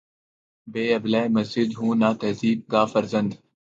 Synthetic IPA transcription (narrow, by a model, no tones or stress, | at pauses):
beːɐblaːjmɐzd͡ʒɪd̪ɦũːnaːt̪ɐziːb̚ɡaːfəɾzə̃nd̪